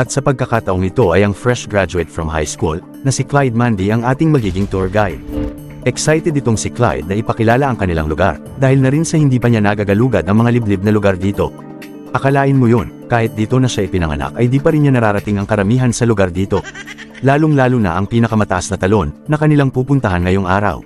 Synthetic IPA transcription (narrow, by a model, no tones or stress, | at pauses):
ʔɐt̪̚sɐpɐɡ̚kɐkaːt̪ɐʔo̞ŋɪt̪o̞ʔɐjɐŋfɹɛʃɡɹad͡ʒʊɛt̪̚fɹɐmha̰jskṵl | nɐsɪklajd̪̚mand̪iʔɐŋʔaːt̪ɪŋmɐɡiːɡɪŋt̪uɹɡajd̪̥̚ | ʔɛksajt̪ɛd̪ɪt̪o̞ŋsɪkla̰jd̪̚nɐʔɪpɐkɪlaːlɐʔɐŋkɐnɪla̰ŋlʊɡa̰ɾ | d̪aːhɪlnɐɾinsɐhɪnd̪iːpɐɲanaɡaɡɐluːɡɐd̪ɐŋmɐŋalɪblɪb̚nɐlʊɡaɾd̪iːt̪o̞̰ | ʔɐkɐlaːʔɪnmojo̞nkaːhɪt̪̚d̪iːt̪o̞nɐʃaɪpɪnɐŋɐ̰na̰kʔɐhd̪iːpɐɾɪnɲanɐɾaːɾɐt̪ɪŋɐŋkɐɾɐmiːɦɐnsɐlʊɡaɾd̪iːt̪o̞ | laːlʊŋlaːlʊnɐ̰ʔɐŋpiːnɐkɐmɐt̪ɐʔasnɐt̪ɐlo̞nːɐkɐnɪlaŋpuːpʊnt̪ɐɦanŋɐjoŋʔaːɾɐ̰w